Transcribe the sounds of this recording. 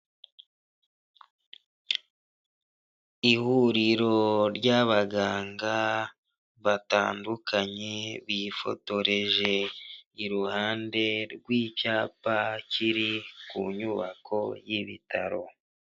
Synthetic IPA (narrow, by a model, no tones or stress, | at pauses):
ihuɾiɾo̞ɾɟaβaɡaːŋɡa | βata̰ːndukʰaɲe̞βifo̞̰to̞ɾe̞ʒe̞iɾuhaːnde̞ɾɡwiːcaːpaciɾikuɲuβa̰kʰo̞jiβḭtʰaɾo̞̰